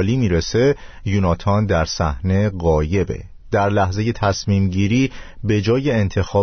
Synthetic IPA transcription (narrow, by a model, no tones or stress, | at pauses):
liːmiːɾese̞junɒːt̪ʰɒnd̪æɾsæhne̞ɢɒːje̞be̞̰ | d̪̥æɾlæhze̞je̞t̪ʰæsmiːmɟiːɾiːbe̞d͡ʒɒːje̞ːnt̪ʰe̞xɒː